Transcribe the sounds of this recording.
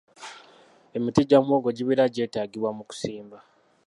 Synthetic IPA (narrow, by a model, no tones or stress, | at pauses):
e̞mitiɟamwo̞ːɡo̞ɟiβiɾaɟe̞ːtaːɡiβwamuku̥siːmba